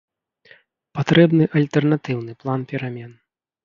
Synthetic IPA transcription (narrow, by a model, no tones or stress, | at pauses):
pat̪ɾɛbnɨʔɐlʲt̪ɛrnat̪ɨwnɨplˠanpʲɛɾamʲɛn